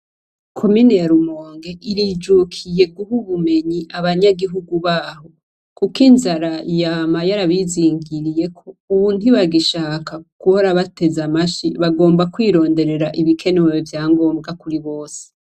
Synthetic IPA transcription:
kʰo̞minejaɾumoːŋɡe̞ʔiɾid͡ʒukʰije̞ɡuɦuβume̞ɲiʔaβaɲaɡiɦuɡuβaːɦo̞ | kukinzaɾajamajaɾaβiziːŋɡiɾije̞kʰo̞uβundiβaɡiʃaːkakuhoɾaβate̞zamaʃiβaɡo̞ːmbakwiːɾo̞ːnde̞ɾe̞ɾaʔiβikʰe̞newevjaːŋɡo̞ːmbɡakuɾiβo̞ːse̥

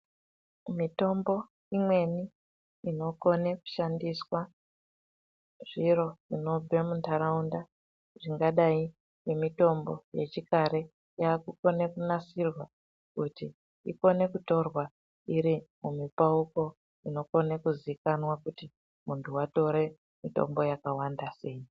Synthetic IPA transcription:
mito̞mbo̞ | imwe̞ni | ino̞ko̞neku̥ʃandiswa | ʐ̥iɾo̞ʐino̞b͡ve̞muntʰaɾaunda | ʐiŋɡaɗai | je̞mito̞mbo̞̰je̞̰t͡ʃikaɾe̞ | jaːkuko̞ne̞kunasirwa | kuti | iko̞ne̞kuto̞rwa | iɾimumipauko̞ | ino̞ko̞nekuziikanwakuti | muntʰuwato̞ɾe̞ | mito̰mbo̞jakawandase̞ji

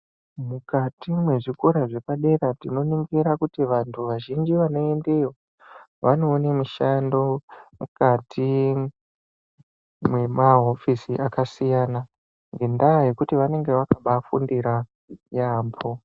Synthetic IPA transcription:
mukatimwe̞ʐikoɾaʐe̞paɗe̞ɾatino̞niŋɡiɾakutiʋantʰuʋaʒind͡ʒiʋano̞e̞nde̞jo | ʋano̞ːnemuʃando̞mukatʰi | mwe̞maɦo̞fisiʔakasijana | ŋɡe̞ndaje̞kutiʋane̞ŋɡe̞ʋakaɓafṵndiɾa | jaːmbʰo

